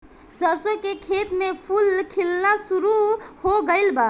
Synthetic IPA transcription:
səɾsõkekʰet̪mepʰulkʰilnasuɾuhoɡəɪlba

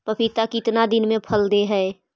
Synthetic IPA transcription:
pəpʰit̪akiɪt̪nad̪ɪnmẽpʰəld̪eɦɛe

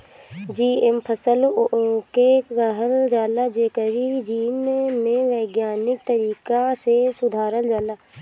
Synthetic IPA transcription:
d͡ʒiːempʰəsəlokeɡəɦəld͡ʒaːlad͡ʒeːkəɾid͡ʒiːnmẽʋeːɡjaːnɪk̚t̪əɾiːkasesʊd̪ʱaːɾəld͡ʒaːlaː

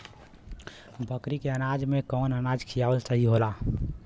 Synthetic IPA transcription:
bʱəkɾikeənaːd͡ʒmẽkɔːnənaːd͡ʒkʰijaːʋəlsəɦiɦola

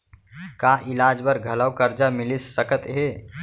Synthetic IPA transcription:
kaʔɪlaːd͡ʒbəɾɡʱəlawkəɾd͡ʒamɪlisːəkət̪ɦe

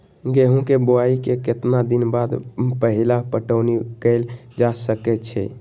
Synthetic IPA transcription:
ɡeɦũkeboaikeket̪nad̪inbad̪pəɦilapəʈəʊnikəɪld͡ʒasəkɛt͡ʃʰɛ̰

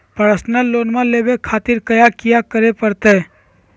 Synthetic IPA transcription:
pəɾsnəlːoːnmãleːbekʰaːt̪ɪɾkəjakijakəɾepəɾt̪e

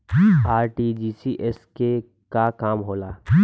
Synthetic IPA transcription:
aːɾʈid͡ʒiːsiʔɛske | kakaːmɦoːlaː

